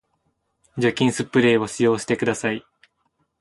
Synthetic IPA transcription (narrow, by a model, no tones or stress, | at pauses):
d͡ʑokʲĩɰ̃sɨpːɯ̟ɾe̞ːβo̞ɕijo̞ːɕi̥t̪e̞kɯd̪asai